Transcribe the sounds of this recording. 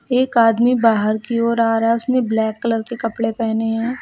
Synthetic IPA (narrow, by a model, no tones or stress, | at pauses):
eːkaːd̪mibaːɦəɾkiɔːɾaːɾɦɛʊsneblɛːkːələɾkekɐpɽepɛːneɦɛ̃ː